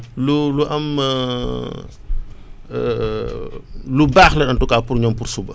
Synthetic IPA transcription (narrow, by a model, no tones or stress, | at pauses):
luluʔɐm | lubaːxlɐɗɐntɔkaːpurɲɔmpursubə